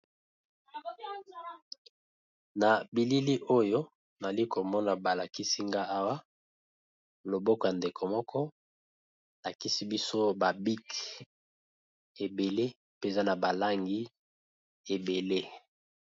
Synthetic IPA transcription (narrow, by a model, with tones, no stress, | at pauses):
na˨bi˨li˦li˦ʔo˦jo˦ | na˨li˦ko˨mɔ˦na˨ba˨la˨ki˦si˦ŋɡa˦a˦wa˦ | lo˨bɔ˦kɔ˨ja˨nde˨kʰo˨mɔ˦kʰɔ˦ | la˨ki˦si˦bi˦so˦ba˨bi˦k | e˨be˨le˦ | pza˦na˨ba˨la˦ŋɡi˦ | e˨be˨le˦